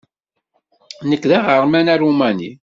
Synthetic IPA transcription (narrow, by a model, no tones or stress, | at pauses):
nəkːðæʁəɾˤmænærumænḭ